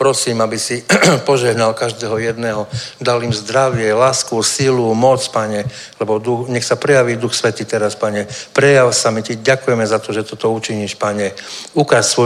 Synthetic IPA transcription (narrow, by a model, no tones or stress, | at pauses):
pɾɔsiːmabisipɔʒɛɦnalkaʒd̪ɛːɦɔjɛd̪nɛɦɔd̪alimzd̪ɾaʋɪɛlaːskusilumɔt͡spaɲɛ | lɛbɔd̪uxɲɛxsapɾɛjaʋiːd̪uxsʋɛt̪iːt̪ɛɾaspaɲɛpɾɛjawsamiciɟakujɛmɛzat̪ɔʒɛt̪ɔt̪ɔut͡ʃiɲiʃpaɲɛukassʋɔ